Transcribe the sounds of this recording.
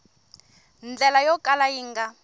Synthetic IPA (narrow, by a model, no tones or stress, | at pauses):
nd͡ɮɛlajɔkʼalajiːŋɡa